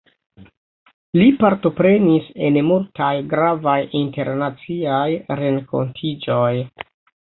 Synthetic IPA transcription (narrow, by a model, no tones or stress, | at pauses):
lipaɾto̞pɾe̞nise̞nmultʰajɡɾavajinte̞ɾnat͡siajɾe̞ŋko̞̰ntʰid͡ʒo̞j